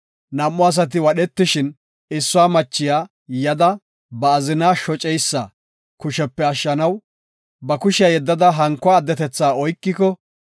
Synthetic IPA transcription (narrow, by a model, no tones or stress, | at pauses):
nɐmːɔɐs̬ɐt̪̬ɪwɐɗɛt̪ːɪʃɪn | ɪsːʊaːmɐt͡ʃːɪjaː | jɐd̪ɐ | bɐːzɪnaːʃɔt͡ʃʼɛjsːɐ̰ | kʊʃɛpːɛɐʃːɐnɐw | bɐkʊʃɪjɐjɛd̪ːɐd̪ɐɦɐŋkːɔaːd̪ːɛt̪ɛt͡sːaːɔjkːɪkɔ